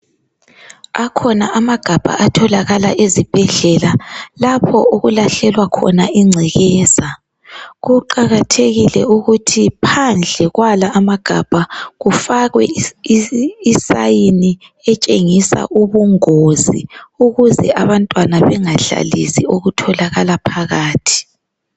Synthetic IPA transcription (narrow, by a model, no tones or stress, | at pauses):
akʰɔnaʔamaɡ̥ʱab̥ʱa̰ʔatʰɔlaɣala̰ʔezib̥ʱɛɮɛlalapʰɔ̰oɣulaɬɛlwakʰɔ̰naʔiŋ͡ǀʱɛɣɛːza | ɣuǃaɣatʰeɣilɛuɣutʰipʰand͡ɮʱɛɣwalaːmaɡ̥ʱab̥ʱaɣufaɣwɛ | sajiniɛt͡ʃʼeŋisa̰ʔuβuŋozḭuɣuzɛ̰ʔaβantʼwanaβɛŋaɮa̰lḭsḭoɣutʰɔlaɣalapʰaɣaːtʰi̥